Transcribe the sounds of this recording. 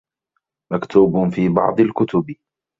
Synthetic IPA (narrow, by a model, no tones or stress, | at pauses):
makt̪ʰuːbfiːbɑ̰ʕd̪ˤɑlkʊt̪ʊb